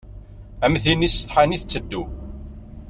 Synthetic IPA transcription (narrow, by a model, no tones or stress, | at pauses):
æmθinisə̥t̪ħaniθt͡sːəd̪ːu